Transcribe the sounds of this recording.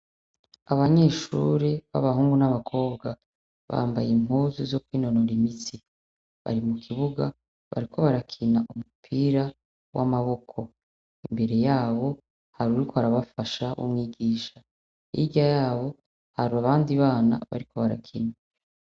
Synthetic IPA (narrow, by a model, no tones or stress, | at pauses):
aβaɲe̞ːʃṵɾeβa̰βaɦuːŋɡunaβakʰo̞ːbɡa | βa̰ːmba̰jim̥uzuzo̞kwiːno̞noɾimiti | βa̰ɾimukʰiβuɡa | βa̰ɾikʰo̞βaɾakʰinaʔumupʰiɾa | wʔa̰maβo̞kʰo̞ | imbe̞ɾe̞jaːβo̞ | haɾuɾikʰoaɾaβafaʃaʔṵmŋiːɡiːʃa | ḭɟajaːβo̞ | haɾuaβaːndiβaːna̰βa̰ɾikʰo̞βaɾa̰kʰina